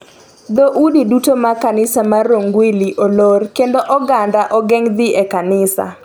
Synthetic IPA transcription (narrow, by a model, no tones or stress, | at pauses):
d̪oʔudidutomakanɪsamaroŋɡwiliʔolorkendoʔɔɡandaʔɔɡɛŋd̪ɪʔekanɪsa̰